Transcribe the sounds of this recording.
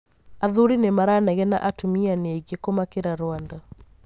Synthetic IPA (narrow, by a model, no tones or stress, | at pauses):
aðuɾinemaɾanaɣɛna̰ʔatumianeɣekomakeɾaɾwanda